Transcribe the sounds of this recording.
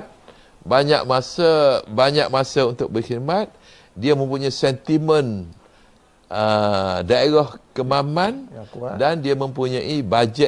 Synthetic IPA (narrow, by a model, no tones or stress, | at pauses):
baɲa̰k̚masabaɲak̚masaunt̪ʊk̚bərxid̪̚mat̪̚ | diamə̃mpuɲaisɛnt̪imə̃n | ədaeɾahkəmamãndandiamə̃mpuɲãʔibad͡ʒɛ